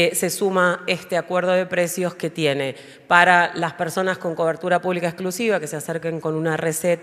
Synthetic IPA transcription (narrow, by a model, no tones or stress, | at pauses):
se̞sumaest̪eakwe̞ɾð̞o̞ðe̞pɾe̞sjo̞ske̞t̪je̞ne̞ | paɾalaspeɾso̞nasko̞ŋko̞βeɾt̪uɾapuβlikaesklusiβake̞seaseɾkeŋko̞nunareset̪